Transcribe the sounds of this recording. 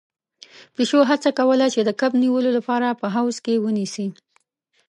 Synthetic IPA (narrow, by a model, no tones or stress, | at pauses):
peʃoɦat͡sakawəlat͡ʃed̪əkabniwəlolapɑɾapəɦawzkewənisi